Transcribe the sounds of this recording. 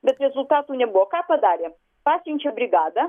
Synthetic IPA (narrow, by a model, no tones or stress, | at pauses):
bʲɛt̪ɾʲɛzʊlʲt̪at̪ʊnʲɛbɔkapɐd̪aɾʲɛ | pasʲɪnʲt͡ʃɛbɾʲɪɡad̪ɐ